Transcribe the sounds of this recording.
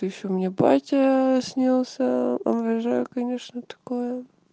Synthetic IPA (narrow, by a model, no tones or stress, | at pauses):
t̪jɪɕomnʲeba̰tʲəsʲnʲilˠsʲəɐ̰mɾɐʐajʊkɐnʲeʂnət̪ɐ̥kojə